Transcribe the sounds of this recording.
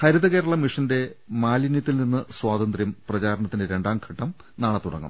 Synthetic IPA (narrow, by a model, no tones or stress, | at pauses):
hɐɾɐðɐɣe̞ːɾɐɭɐmiʂɐnde̞maːlinjɐt̪ːilninːɨswaːd̪ɐnd̪rjɐmprɐt͡ɕaːɾɐɳɐt̪ːindeɾe̞ɳɖaːmkʰɐʈːɐm | naːɭɐt̪uɽɐ̰ŋːɐ̰m